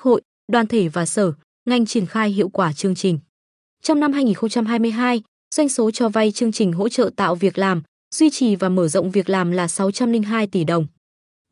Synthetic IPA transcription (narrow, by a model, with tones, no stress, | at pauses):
ho̰˧˨j | ɗwaː˨˩nt̪ʰe˧˩vaː˨˩səː˧˩ | ŋa˧jŋ̟t͡ɕi˧˩ənxaː˧jɦḭ˧˨əwkwaː˧˩t͡ɕɨ˧əŋt͡ɕï˨˩ŋ̟ | t͡ɕɔ˧wŋ͡mna˧mhɦaː˧jŋi˨˩nxə˧wŋ͡mt͡ɕa˧mɦaː˧jmɨ˧əjɦaː˧j | zwa˧jŋ̟so˨˦t͡ɕɔ˧˩va˧jt͡ɕɨ˧əŋt͡ɕï˨˩ŋ̟ɦo̰˧˥t͡ɕə̰ː˧˨t̪a̰ː˧˨wvi˨˩ək̚laː˨˩m | z̥wi˧t͡ɕi˨˩vaː˨˩məː˧˩zə̰˧˨ŋ͡mvi˨˩ək̚laː˨˩mlaː˨˩sa˨˦wt͡ɕa˧mlï˧ŋɦaː˧jt̪i˧˩ɗə˨˩wŋ͡m